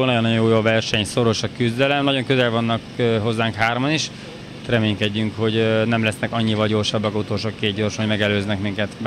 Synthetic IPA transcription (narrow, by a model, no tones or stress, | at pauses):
lnɒjonːɒjojoːjoːvɛrʃɛɲso̞ɾo̞ʃɒkyzd̪ɛlɛmnɒɟoŋkøzɛlvɒnːɒkɦo̞zːaːŋkɦaːrmɒniʃ | rɛmeːŋkɛɟːyŋkho̞ɟnɛmlɛsnɛkɒɲːivɒlɟo̞rʃɒbːɒkɒzut̪oːlʃoːkeːd̪̚ɟo̞rʃoɟmɛɡɛløːznɛkmiŋkɛt̪b